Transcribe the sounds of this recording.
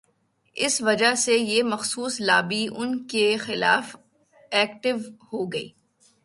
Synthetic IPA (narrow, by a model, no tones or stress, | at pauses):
ɪ̰sʋɐd͡ʒaɦsejeːmɐxsuːslaːbiʔʊnkexɪla̰ːf | ɛːkʈɪʋhoːɡɐḭː